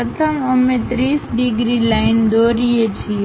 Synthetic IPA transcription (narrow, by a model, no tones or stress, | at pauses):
ət̪ʰəməmẽt̪ɾiːsɖiɡɾilaɪnd̪oɾiet͡ʃʰie